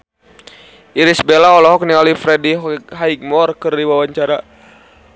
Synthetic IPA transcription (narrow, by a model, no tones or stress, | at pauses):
ʔiɾisbelaɔlɔɦɔk̚nialifɾɛdiɦaiɡ̚mɔrkɨrdiwawaɲt͡ʃaɾa